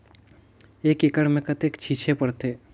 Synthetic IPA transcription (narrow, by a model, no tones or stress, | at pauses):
eːkɪkəɽmẽkət̪eːkt͡ʃʰiːt͡ʃʰepɐɽt̪eː